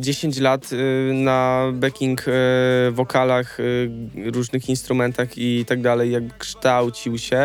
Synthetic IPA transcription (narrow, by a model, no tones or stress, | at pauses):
d͡ʑeɕeɲt͡ɕlat̪nabɛkʲiŋk | vɔkalax | ɾuʐnɘxinst̪ɾumɛnt̪axit̪aɡ̚d̪alɛjːjaɡ̚bɘkʂt̪awt͡ɕiwɕɛ